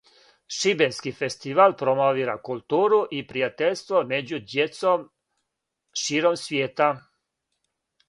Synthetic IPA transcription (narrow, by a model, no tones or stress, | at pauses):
ʃibenskifest̪iʋalpɾomoʋiːɾakulˠt̪uːɾuʔipɾijat̪eʎʲst̪ʋomed͡ʑud̪jet̪som | ʃiːɾomsʋʲjeːt̪a